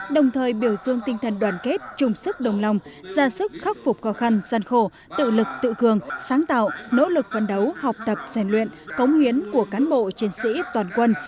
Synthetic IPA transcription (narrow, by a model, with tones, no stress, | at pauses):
ɗə˨˩wŋ͡mt̪ʰəː˨˩jɓi˧˩əwzɨ˧əŋt̪ï˧ŋ̟t̪ʰə˨˩nɗwaː˧˩nke˦˥t̚t͡ɕʊ˨˩ŋ͡msɨ˦˥k̚ɗə˨˩wŋ͡mla˧wŋ͡mz̥aː˧sɨ˦˥k̚xa˦˥p̚fʊ˨˩k͡p̚xɔ˨˦xa˧nzaː˧nxo˧˩ | t̪ɨ̰˧˨lɨ˨˩k̚t̪ɨ̰˧˨kɨ˨˩əŋsaː˨˦ŋt̪a̰ː˧˨wʔno̰˧˥lɨ˨˩k̚fə˨˩nɗə˨˦wha˨˩wk͡p̚t̪ə˨˩p̚z̥a˧˩nlwḭ˧˨ənkə˨˦wŋ͡mhi˨˦ənku˧˩əkaː˨˦nɓo̰˧˨t͡ɕi˨˧˦ənsḭ˧˥t̪waː˨˩nkwə˧n